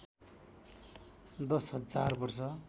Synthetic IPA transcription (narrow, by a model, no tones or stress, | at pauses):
d̪ʌsɦʌd͡zarbʌrsʌ